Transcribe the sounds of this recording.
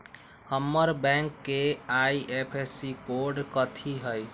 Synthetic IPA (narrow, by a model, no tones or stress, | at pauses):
həmːəɾbɛ̃ŋkːeaiʔepʰesikoɾɖkət̪ʰiɦəj